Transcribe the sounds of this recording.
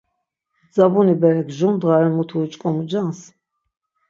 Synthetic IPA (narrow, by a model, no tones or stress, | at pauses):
d͡zabunibɛɾɛɡʒumd̪ʁaɾɛmut̪ʰuːt͡ʃʼkʼɔmud͡ʒans